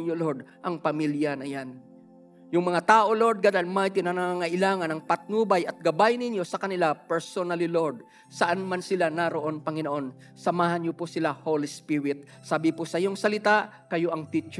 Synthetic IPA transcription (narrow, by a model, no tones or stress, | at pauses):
oloɾd̪ʔɐŋpɐmiljɐnɐjan | jʊŋmɐŋat̪aːʔo̞loɾd̪̚ɡad̪ɐlmajt̪inɐnɐŋaŋɐʔɪlaːŋɐnɐŋpɐt̪̚nubɐjʔɐt̪̚ɡɐbajnɪnjo̞sɐkɐnɪlapɛɹsonɐliloɹd̪̚ | sɐʔanmansɪlanaɾoʔo̞npɐŋɪnoʔo̞n | sɐmaːhɐnɲoposɪlahowlɪspiɾɪt̪̚ | saːbɪposɐjoŋsɐlɪt̪aʔ | kɐjoʔɐŋt̪it͡ʃɛ